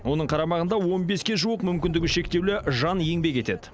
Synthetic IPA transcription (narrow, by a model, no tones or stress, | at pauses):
wo̞nəɴqʰɑɾɑmɑʁənd̪ɑwo̞nbe̞skʲe̞ʒuəqmʏmkʲɪnd̪ɪɡʲɪʃe̞kt̪e̞wlɪʒɑnje̞ŋbe̞kʲe̞t̪e̞d̪ɪ